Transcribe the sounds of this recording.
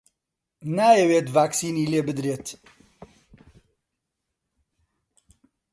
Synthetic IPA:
naːjɛweːt̪vaːksiːniːleːbɨd̪ɾeːt̪

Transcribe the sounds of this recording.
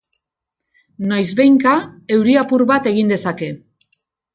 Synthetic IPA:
nojzβe̞jŋkae̞wɾiapuɾβat̪e̞ɣ̞ind̪e̞sake̞

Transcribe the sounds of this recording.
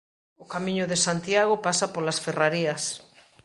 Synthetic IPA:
okamĩɲʊðesant̪jaɣ̞opasapolasferaɾiɐs

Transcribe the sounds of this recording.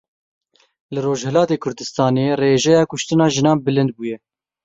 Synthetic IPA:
lɨroːʒhɛlɑːt̪eːkʰʊɾd̪ɨst̪ɑːneːreːʒɛjɑːkʊʃt̪ɨnɑːʒɨnɑːnbɨlɨnd̪̚buːjɛ

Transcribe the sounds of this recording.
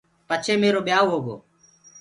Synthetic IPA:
pət͡ʃʰeːmeːɾoːɓjaːoːɦoːɡo̰ː

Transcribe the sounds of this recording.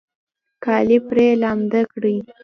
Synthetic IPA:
kɑlipɾelɑmd̪akɽəj

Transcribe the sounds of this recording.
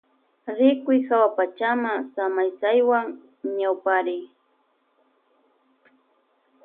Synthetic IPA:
ɾɪkʊjhawapat͡ʃamasamajsajwaŋ | ɲawpaɾɪj

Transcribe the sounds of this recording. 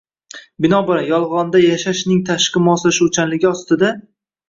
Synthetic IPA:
bɪnɒbɪɾanjɒlˠʁɒnd̪ajaʃaʃnɪŋt̪ʰaʃqɨmɒslaʃʊt͡ʃʰanlɪɡʲɒst̪ɪd̪a

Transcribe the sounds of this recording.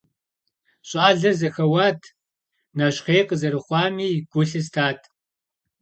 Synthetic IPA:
ɕʼaːɮɐzɐxɐwaːtʰ | nɐɕχeːjqʼəzɐɾɨχʷɑːmiːɡ̥ʷʊɬɨs̬tʰaːtʰ

